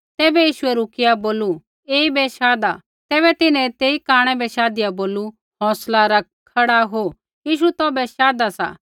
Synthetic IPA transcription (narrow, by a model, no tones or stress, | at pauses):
t̪ɛːbɛjiːʃʊɛɾuːkɪjaboːlu | eːibɛʃaːd̪a | t̪ɛːbɛt̪ɪnɛ̃t̪eːikaːɽ̃ɛbɛʃaːd̪ɪjaboːlu | ɦɔ̃ːslaɾɐk̚kʰːɐɽaɦoː | jiːʃut̪ɔːbɛʃaːd̪asa̰ː